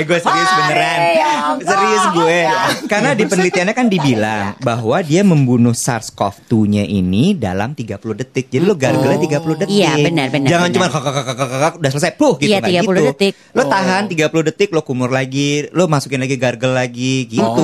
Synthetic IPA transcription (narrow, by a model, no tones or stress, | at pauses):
ɡuɛsəɾiʊsbənəɾansəɾiʊsɡuɛkarnadipənəlit̪ianɲakandibilaŋbaɦwadiaməmbunʊhsa̰rskɔ̰ft̪uɲaʔinida̰la̰mt̪iɡapulʊhdət̪ɪk̚d͡ʒadilʊhɡarɡəlɲat̪iɡapulʊhdət̪ɪkbənərbənd͡ʒaŋant͡ʃumankakakakakakakak̚dasələs̬ajplʊhɡijuŋɡaiɡaiuut̪ɪk | lʊt̪aɦant̪iɡapulʊhdət̪ɪk̚lʊhkumʊrlaɡilʊhmasu̥kɪnlaɡiɡarɡəlːaɡiɡit̪u